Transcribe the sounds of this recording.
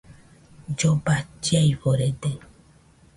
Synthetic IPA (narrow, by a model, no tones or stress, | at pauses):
d͡ʒobat͡ʃiajβoɾed̪e